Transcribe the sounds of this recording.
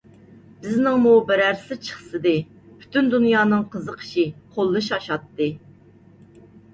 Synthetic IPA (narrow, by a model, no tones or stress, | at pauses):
b̥ɪznɪŋmubɪɾæɾsɪt͡ʃʰə̥χsɨd̪ɨ | pʰy̥t̪ʰynd̪unjɑːnɨŋqʰəzəqʰə̥ʃiqʰolˠːɨʃɑʃɑt̪ːɨ